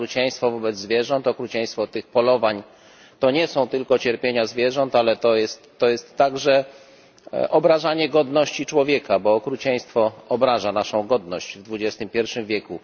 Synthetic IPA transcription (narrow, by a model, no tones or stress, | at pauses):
ɾut͡ɕɛj̃st̪fɔvɔbɛd̪zzvʲjɛʐɔnt̪ɔkɾut͡ɕɛj̃st̪fɔt̪ɘxpɔlɔvaɲ | t̪ɔɲɛsɔ̃w̃t̪ɘlkɔt͡ɕɛɾpʲjeɲazvʲjɛʐɔnt̪alɛt̪ɔjɛst̪ːɔjɛst̪ːaɡʐɛ | ʔɔbɾaʐaɲɛɡɔd̪nɔɕt͡ɕit͡ʂwɔvʲjɛkabɔːkɾut͡ɕɛj̃st̪fɔɔbɾaʐanaʂɔ̃w̃ɡɔd̪nɔɕd͡ʑvd̪vud͡ʑɛst̪ɘmpʲjɛɾfʂɘmvʲjɛku